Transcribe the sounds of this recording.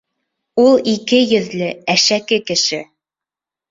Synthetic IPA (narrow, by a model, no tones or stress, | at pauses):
ulˠikɘjɵ̆ðlɘæʃækɘkɘ̆ʃɘ